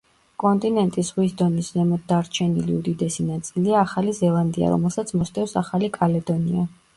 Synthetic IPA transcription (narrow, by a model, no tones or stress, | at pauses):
kʼɔnt̪ʼinɛnt̪ʼisʁwisd̪ɔniszɛmɔd̪̚d̪aɾt͡ʃʰɛnḭliud̪id̪ɛsinat̪sʼiliaːχalizɛlˠand̪ia̰ɾɔ̰mɛlˠsat̪sʰmɔst̪ʰʼɛfsaχalikʼalɛd̪ɔnia